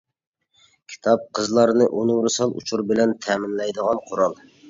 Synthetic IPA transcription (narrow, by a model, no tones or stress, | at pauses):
kʲʰi̥t̪ʰɑp̚qʰəzlˠɑɾnɨʔonuŋɾɨsɑlˠṵt͡ʃʰuɾbɪlɛnt̪ʰɛmɪnlɛjd̪əʁɑnqʰoɾɑlˠ